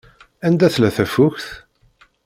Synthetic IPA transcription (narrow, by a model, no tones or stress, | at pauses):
ænd̪æθlæθæfuçθ